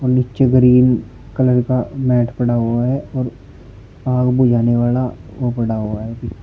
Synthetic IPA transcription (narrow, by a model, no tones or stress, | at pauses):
ɔːɾnɪt͡ʃeɡəɾiːn | kɐləɾkamɛːʈʰpɐɽaɦoaɦɛɔːɾ | aːɡbud͡ʒaːneʋaːlaopɐɽaɦoaɦɛbi